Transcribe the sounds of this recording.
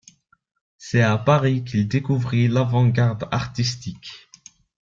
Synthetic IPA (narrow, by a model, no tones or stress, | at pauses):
sɛapaʁik̬ild̪ekuvʁilavɑ̃ɡaʁd̪a̰ʁt̪ist̪ik